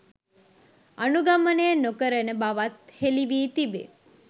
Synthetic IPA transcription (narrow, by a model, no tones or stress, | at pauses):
ənuɡamənejənokəɾənəbaʋat̪heliʋiːt̪ibḛ